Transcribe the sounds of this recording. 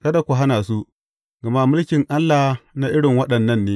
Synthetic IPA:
kɐ˦da˨kʷʊ˨ɦa˦naː˨s̬u˦ | ɡ̥ɐ˨ma˦mʊ˦lkʲɪ˨ŋʔa˦lːa˨na˦ʔɪ˦ɽɪ˨ŋwɐ˦ɗɐ˨nːɐ˦nːeː˦

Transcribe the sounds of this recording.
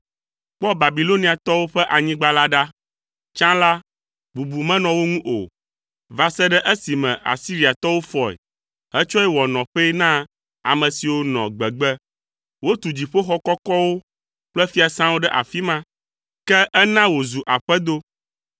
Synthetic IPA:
k͡pɔ˦ba˨bi˨lo˦nĩ˨a˨t̪ɔ˦wo˦ɸɛ˦ʔa˨ɲĩ˦ɡ͡ba˦la˦ɖa˦ | t͡ʃã˦la˦ | bu˨bu˨mɛ̃˦nɔ̃˨wo˦ŋũ˦ʔo̰˨ | va˨sɛ˦ɖɛ˦ʔɛ˦si˨mɛ̃˨ʔa̰˨si˦ɾi˨a˨t̪ɔ˦wo˦fɔ˨ɛ̰˨ | ɦɛ˦t͡ʃɔ˦ɛ˦wɔ˨nɔ̃˨ɸɛ˦nã˦ | a̰˨mɛ̃˨si˨wo˦nɔ̰̃˨ɡ͡bɛ˨ɡ͡bɛ˦ | wo˦t̪u˨d͡ʑi˨ɸo˦xɔ˦kɔ˦kɔ˦wo˦ | k͡plɛ˦fi˦a˨sã˦wo˦ɖɛ˦ʔa̰˨fi˦mã˦ | kɛ˦ʔɛ˦nã˦wo˨zu˨ʔa˨ɸɛ˦d̪o˦

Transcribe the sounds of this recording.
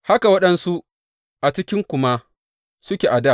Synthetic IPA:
ha˦ka˨wɐ˦ɗɐ˦nsu˦ʔ | ʔa˨t͡ʃɪ˦kʲɪ˦ŋkʷʊ˦ma˦ | sʊ˦kʲeː˨ʔa˨da˦˨ʔ

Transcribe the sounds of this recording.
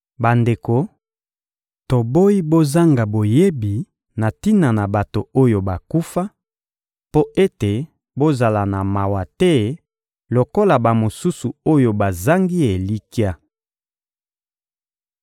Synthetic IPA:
ba˨nde˨ko˨ | to˨bo˦i˦bo˦za˦ŋɡa˨bo˨je˦bi˨ | na˨ti˦na˨na˨ba˨to˨o˦jo˨ba˨ku˦fa˦ | po˦ʔe˦te˨ | bo˦za˨la˨na˨ma˨wa˨tɛ˦ | lo˨ko˦la˨ba˨mo˨su˦su˨o˦jo˨ba˨za˦ŋɡi˦e˨li˦ki˦a˦

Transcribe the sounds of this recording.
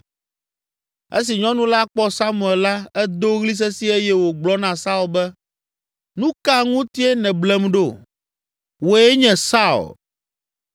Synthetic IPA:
ḛ˦s̬i˨ɲɔ̃˦nũ˦la˦k͡pɔ˦sa˦mũ˨ɛ˨lla˦ɛ˦d̪o˦ɣli˦s̬ɛ˦si˦e˦jɛ˦wo˨ɡ͡blɔ˦nã˨sa˦u˨bɛ˦ | nũ˦ka˦ŋũ˦t̪i˦e˦nɛ̃˨blɛ˨mɖo˦˨ | wo˨e˦ɲɛ̃˨sa˦ṵ˨l

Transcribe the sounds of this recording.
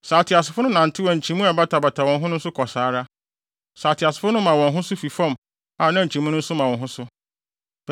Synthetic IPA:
saː˨tʰɪ˨a˨s̬ɪ˨fʊ˦nʊ̃˦nã˨n̩˨tʰɪ˦wɔ̃˨ɲ̩˨t͡ɕʰĩ˨mũ˦a˨ba˦tʰa˨ba˨tʰa˨wɔ̃˨n˦ɦʊ̃˦nʊ̃˦n̩˦sʊ˦kʰɔ˨saː˨˦ɾa˦ | saː˨tʰɪ˨a˨sɪ̥˨fʊ˦nʊ̃˦mːã˨wɔ̃˨nɦʊ̃˦sʊ˦fi˨fɔ̃˦m | a˨nã˦˨ɲ̩˨t͡ɕʰĩ˨mũ˦nʊ̃˦n̩˦sʊ˦mã˨wɔ̃˨nɦʊ̃˦sʊ˦

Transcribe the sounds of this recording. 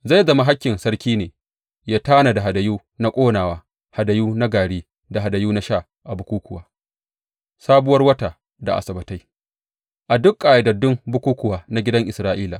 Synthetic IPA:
za˦˨jzɐ˨ma˨ɦa˦kʲːɪ˨nsɐ˦rkʲiː˦neː˨ | jaː˦taː˦na˨da˨ɦa˨dɐ˨juː˦ | na˦kʷʼoː˦naː˨waː˦ | ha˨dɐ˨juː˦na˦ɡaː˨ɽeː˦ | da˨ɦa˨da˨juː˦na˦ʃaː˦˨ | ʔa˨bʊ˦kʷuː˦kʷʊ˨waː˨˦ | saː˦bʊ˦wɐ˦rwɐ˦ta˨ | da̰˨ʔa̰˨sɐ˨bɐ˨ta˦j | ʔa˨dʊ˦kʼːaː˨ja˨dɐ˨dʊ˦mbʊ˦kʷuː˦kʷʊ˨waː˨na˦ɡʲɪ˦dɐ˦ŋʔɪ˨sɾaː˦ʔiː˦la˨

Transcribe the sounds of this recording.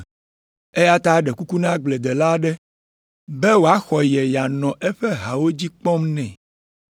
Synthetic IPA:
e˦ja˦t̪a˦ɖɛ˨ku˦ku˦nã˦ɡ͡blɛ˨d̪ɛ˨la˦ɖɛ˦ | bɛ˦wo˨a˦xɔ˨jɛ˨ja˨nɔ̃˨ʔɛ˦ɸɛ˦ɦa˨wo˦d͡ʑi˦k͡pɔ˦mnɛ̃˨

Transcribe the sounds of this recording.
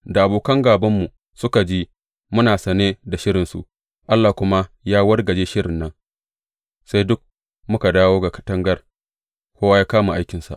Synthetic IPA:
da˨ʔa˨boː˨kɐ˦ŋɡaː˨bɐ˦mːu˨ | sʊ˦ka˨d͡ʒiː˦ | mʊ˦naː˨sɐ˨neː˦da˨ʃɪ˦ɾɪ˨nsṵ˨ʔ | ʔa˦lːaː˨kʷʊ˦ma˦jaː˦wɐ˦rɡɐ˨d͡ʒeː˦ʃɪ˦ɽɪ˨nːɐ˦n | sa˦jdʊ˦k̚ | mʊ˦ka˨daː˦woː˦ɡa˨kɐ̥˨tɐ˦ŋɡɐ˦r | kʷoː˦wa˦jaː˦kaː˦mu˨ʔa˦jkʲɪ˨nsa̰˨ʔ

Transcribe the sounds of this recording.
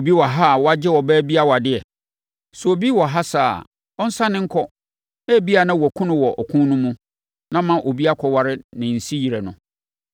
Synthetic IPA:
o˨bi˦wɔ˨ɦa˦˨wɔ˦a˦d͡ʑɪ˦wɔ˨bæː˦bi˦a˦wa˨dɪ˦ɛ˨ | sʊ˨o˨bi˦wɔ˨ɦa˦sa̰ː˦˨ | ɔ˦n̩˦sã˦nɪ̃˦ŋ̩˦kʰɔ˦ | æ˦˨bi˦a˨nã˦wɔ˨kʰʊ̃˦nʊ̃˨wɔ˨ʔɔ˨kʰũ˦nʊ̃˦mũ˦ | nã˦mã˨ʔo˨bi˦a˦kʰɔ˨wa˦ɾɪ˦nɪ̃˨n̩˨si˦ji˨ɾe˨nʊ̃˨

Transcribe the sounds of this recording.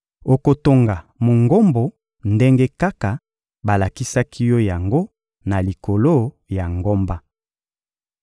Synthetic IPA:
o˨ko˨to˨ŋɡa˨mo˨ŋɡo˦mbo˨ | nde˦ŋɡe˦ka˦ka˨ | ba˨la˨ki˦sa˦kʰi˦jɔ˦ja˨ŋɡo˦ | na˨li˨ko˨lo˦ | ja˨ŋɡo˦mba˦

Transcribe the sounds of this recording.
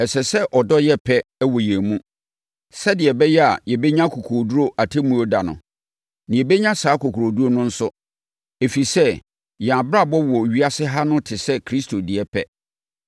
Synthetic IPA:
ɛ˨sɛ˨sɛ˦ʔɔ˨dɔ˦jɛ˦pʰɛ˦wɔ˨jɛ˨mũ˦ | sɛ˦dɪ˨ɛ˨bɛ˦jɛ˦a̰˨jɛ˨bɛ˦ɲã˦kʰo˨kʰu˨ɾo˨du˦ɾo˦ʔa˨tʰɪ˦mũ˦o˦da˨nʊ̰̃˨ | nɪ̃˨ɛ˨bɛ˦ɲã˦saː˨˦ko˨kʰu˨ɾo˨du˦ɾo˦nʊ̃˦n̩˦sʊ˦ | e˨fi˨sɛ˦ | jɛ˨a˨bɾa˦˨bɔ˦wɔ˨ɥi˦a˦sɪ˦ɦa˦nʊ̃˦tʰɪ˨sɛ˦kʰɾi˦stʰo˨dɪ˨ɛ˦pʰɛ˦

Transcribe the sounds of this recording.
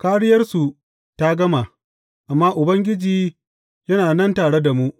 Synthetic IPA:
kaː˦ɽɪ˦jɐ˦rsu˨ | ta˦ɡɐ˦ma˨ | ʔa˨mːaː˦ʔʊ˨bɐ˦ŋɡʲɪ˦d͡ʒiː˨ | jɐ˦naː˨nɐ˦ntaː˨ɽe˦da˨mu˦ʔ

